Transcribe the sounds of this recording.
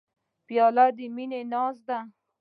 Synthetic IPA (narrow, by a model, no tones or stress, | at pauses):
pjɑlad̪əminenɑzd̪a